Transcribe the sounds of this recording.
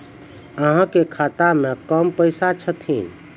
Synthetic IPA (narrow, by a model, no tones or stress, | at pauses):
əɦãkekʰat̪amẽkəmpəɪsat͡ʃʰət̪ʰḭ̃